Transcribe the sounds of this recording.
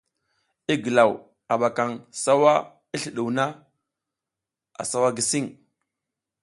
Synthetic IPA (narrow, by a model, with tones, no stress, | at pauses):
i˦ɡə˨la˨w | a˨ɓa˨ka˨ŋsa˦wa˦ | i˦ɬi˨ɗu˨wna˦ | a̰˨sa˦wa˦ɡi˨si˦ŋ